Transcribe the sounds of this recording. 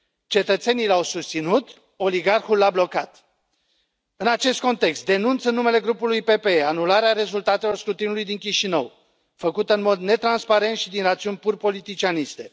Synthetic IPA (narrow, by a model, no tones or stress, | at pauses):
t͡ʃe̞t̪ət̪se̞nijlawsust̪sinut̪ | o̞liɡarxulːablo̞kat̪ | ɨnat͡ʃe̞st̪̚ko̞nt̪e̞kst̪̚d̪e̞nunt̪sɨnːume̞le̞ɡɾupulujpe̞peeanulaɾeaɾe̞zult̪at̪elo̞rskɾut̪inulujd̪iŋkʲiʃinəw | fəkut̪əɨnmo̞d̪ne̞t̪ɾanspaɾe̞nt̪ʃid̪inrat̪siunʲpurpo̞lit̪it͡ʃianist̪e̞